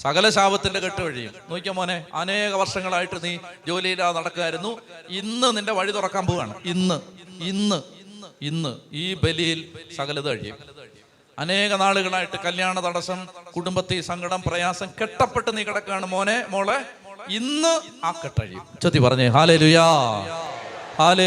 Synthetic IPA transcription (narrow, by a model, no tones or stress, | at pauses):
sɐɣɐlɐɕaːʋɐt̪ːildekeʈːɨʋɐɻijṵmnoːkʲːɐmoːneɐ̰ne̞ːɣɐʋɐrʂɐŋːɐɭaːjiʈːɨniːd͡ʑo̞ːlɐjilaːnɐɽɐkːuɣaːjiɾunːuinːɨninde̞ʋɐɻit̪urɐkːaːmbuʋa̰ːɳɨ̰inːɨinːɨinːɨiːbe̞lijilsɐɣɐlɐðɨɐ̰ɻḭjṵm | ɐne̞ːɣɐnaːɭuɣɐɭaːjiʈːɨkɐljaːɳɐt̪ɐɽɐsɐmkuɽumbɐt̪ːesɐŋɡɐɽɐmprɐjaːsɐmkeʈːɐpːe̞ʈːɨniːkːɐɽɐkːaːɳɨmo̞ːnemo̞ːɭe | inːɨaːkːeʈːɐ̰ɻḭjṵmt͡ɕot̪ːipɐrɐɲːuɦaːle̞ːluːjɐ | haːleː